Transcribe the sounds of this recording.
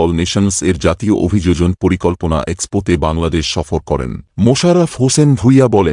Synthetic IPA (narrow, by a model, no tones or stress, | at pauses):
ɔlneʃonseɾd͡ʑat̪ioʔo̰bʱid͡ʑod͡ʑonpoɾikolpona̰ʔekspoʈebaŋlad̪eʃʃɔfoɾkɔɾḛnmoʃaɾafɦosenbʱujabɔle